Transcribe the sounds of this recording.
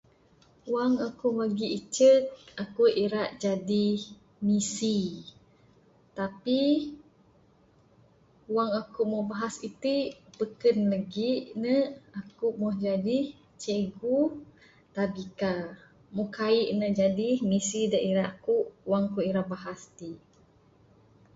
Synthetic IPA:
waŋakumaɡiit͡ʃək̚akuʔiɾaʔd͡ʒadih | misi | t̪api | waŋakumɔhbaɦasit̪ipəkənləɡiʔnəakuʔmɔhd͡ʒadih | t͡ʃeɡu | t̪abika | muhkaiʔnəd͡ʒadihmisidaʔiɾaʔakuʔwaŋkuiɾaʔbaɦast̪iʔ

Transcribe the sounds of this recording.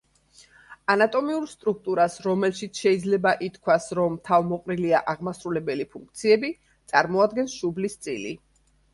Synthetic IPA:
anat̪ʼɔmiuɾst̪ʼɾuk̚ʰt̪ʼuɾasɾɔmɛlʃit̪sʰʃɛid̪zlɛbaʔit̪kʰwasɾɔmt̪ʰavmɔqʼɾiliaʔaʁmasɾulɛbɛlipʰuŋk̚ʰt̪sʰiɛbi | t̪sʼaɾmɔad̪ɡɛnsʃublist̪sʼḭlḭ

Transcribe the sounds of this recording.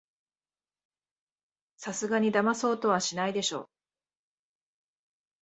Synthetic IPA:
sasɨɡaɲ̟id̪amaso̞ːt̪o̞βaɕinaid̪e̞ɕo̞̰ː

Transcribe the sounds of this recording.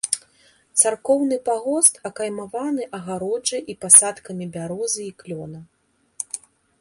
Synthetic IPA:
t̪sarkɔwnɨpaɣɔst̪ɐkajmavanɨʔɐɣaɾɔd͡ʐɨʔipasat̪kɐmʲibʲaɾɔzɨiklʲɔnɐ

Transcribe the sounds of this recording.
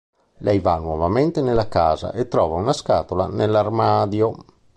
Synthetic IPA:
lɛjvanwɔvament̪enelːakaːza̰ʔet̪ːɾɔːvaunaskaːt̪ola̰nelːarmaːd̪jo

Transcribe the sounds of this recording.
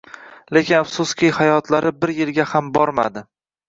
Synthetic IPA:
le̞kʲɪnafsʊskʲijhajɒt̪ʰlaɾɪbɪɾjɪlɡʲahambɒɾma̰d̪ɪ

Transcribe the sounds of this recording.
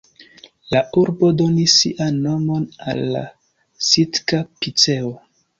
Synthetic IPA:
lauɾbo̞do̞nisːḭʔanːo̞mo̞na̰lːa̰ | sitkapit͡se̞o

